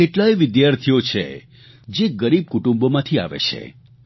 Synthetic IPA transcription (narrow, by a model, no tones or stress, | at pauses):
eʈlajʋɪd̪jaɾt̪ʰijot͡ʃʰḛ | d͡ʒeɡəɾib̚kuʈũmbomãt̪ʰia̰ʋḛt͡ʃʰḛ